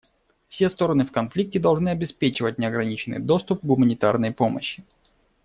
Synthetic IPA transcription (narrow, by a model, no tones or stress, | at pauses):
fsʲest̪o̞ɾənɨfkɐnflʲik̚tʲɪd̪ɐlˠʐnɨɐbʲɪspʲet͡ɕɪvət̚ʲnʲɪɐɡɾɐnʲit͡ɕɪnːɨ̰jd̪o̞st̪ʊp̚ɡʊmənʲɪt̪arnəjpo̞mə̰ɕːɪ